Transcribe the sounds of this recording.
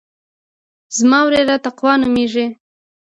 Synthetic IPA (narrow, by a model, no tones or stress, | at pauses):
z̥mɑwɾeɾat̪aqwɑnumeʐe